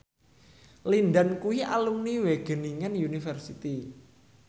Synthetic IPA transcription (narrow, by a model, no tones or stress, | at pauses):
lindankuwialumniweɡ̥ə̤niŋɛnjunifərsit̪i